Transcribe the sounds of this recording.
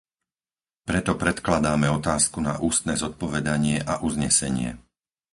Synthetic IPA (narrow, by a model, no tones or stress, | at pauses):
pɾɛt̪ɔpɾɛt̪klad̪aːmɛɔt̪aːskuna̰ʔuːst̪nɛːzɔt̪̚pɔʋɛd̪aɲɪɛʔaʔuzɲɛsɛɲɪɛ̰